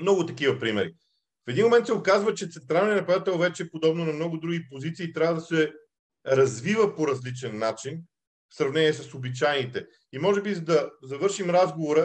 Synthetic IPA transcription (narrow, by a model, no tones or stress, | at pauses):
mnɔɡʊt̪ɐkivɐpɾimɛɾi | fɛd̪inmomɛnt̪sɛokazvət͡ʃɛt̪sɛnt̪ɾalˠnɛnɐpɐjat̪ɛlˠvɛt͡ʃɛpod̪ɔbnonɐmnɔɡʊd̪ɾuɡipozit̪siːt̪ɾʲavəd̪ɐsɛ | ɾɐzvivəpoɾɐzlit͡ʃɛnːat͡ʃin | fsɾɐvnɛniɛs̬əsobit͡ʃajnit̪ɛ | imɔʒɛbizɐd̪ɐzɐvɤɾʃimɾazɡovoɾə